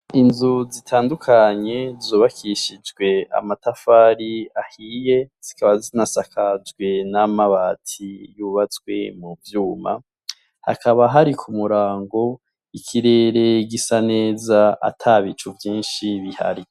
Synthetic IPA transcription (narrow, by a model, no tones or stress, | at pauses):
inzuzitʰaːndukʰaɲe̞zoːβakʰiʃid͡ʒɡwe̞a̰matafaːɾiahije̞z̥ikaβazinasakʰazɡwe̞namaβatʰijuβat͡swe̞muvjuːma̰ | ha̰kʰaβaɦaɾikʰumuɾaːŋɡo̞ | ikʰiɾe̞ːɾe̞ɡisane̞ːzaa̰tʰaβit͡ʃuvjiːnʃiβiha̰ɾi